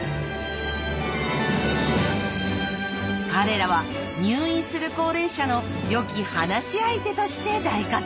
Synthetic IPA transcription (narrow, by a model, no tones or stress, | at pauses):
kaɾe̞ɾaβa | ɲɨːĩɰ̃sɨɾɯ̟ko̞ːɾe̞ːɕano̞ | jo̞kʲihanaɕiait̪e̞t̪o̞ɕi̥t̪e̞d̪aika